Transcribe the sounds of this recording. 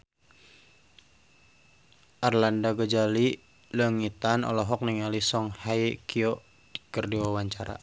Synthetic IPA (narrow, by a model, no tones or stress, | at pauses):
ʔarlandaɡəd͡ʒali | ləŋit̪anɔ̰lɔɦɔk̚niŋalisɔŋhajkiɔ | di̥kərdiwawaɲt͡ʃaɾa̰